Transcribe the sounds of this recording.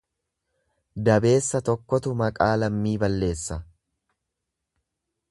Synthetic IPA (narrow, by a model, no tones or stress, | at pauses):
d̪ɐbe̞ːsːɐt̪ɔkːɔt̪ʊmɐkʼaːlɐmːiːbɐlːe̞ːsːɐ